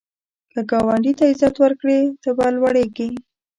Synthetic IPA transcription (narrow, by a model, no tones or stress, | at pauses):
kəɡawaɳɖit̪aɪzat̪wəɾkɽid̪̥əbalwaɽeɡi